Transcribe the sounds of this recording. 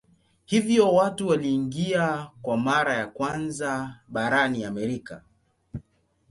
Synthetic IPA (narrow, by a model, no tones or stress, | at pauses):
hivjɔwatuwaliːŋɡiakwamaɾajakwanzaɓaɾaniamɛɾika̰